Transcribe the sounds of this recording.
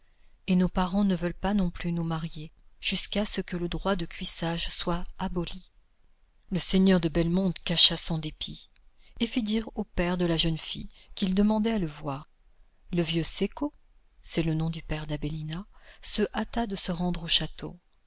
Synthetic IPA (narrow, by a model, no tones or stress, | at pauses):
enopaʁɑ̃nəvœlpanɔ̃plynumaʁjeʒ̥yskasəkələd̪ʁwad̪əkʲɥisaʒswaabɔli | ləseɲœʁd̪əbɛlmɔ̃d̪kaʃasɔ̃d̪epʰi | efid̪iʁopɛʁd̪əlaʒœnfḭkʲild̪əmɑ̃d̪ɛaləvwaːʁ | ləvjøseko | sɛlənɔ̃d̪ypɛʁd̪abelinasəʔat̪ad̪əsəʁɑ̃d̪ʁoʃat̪o̰